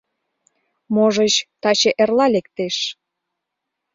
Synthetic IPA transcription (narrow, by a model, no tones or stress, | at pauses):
moʒət͡ɕt̪ɑt͡ɕeʔerlɑlekt̪eʃ